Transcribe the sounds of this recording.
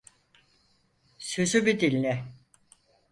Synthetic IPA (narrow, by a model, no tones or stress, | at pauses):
syzybid̪ilʲːɛ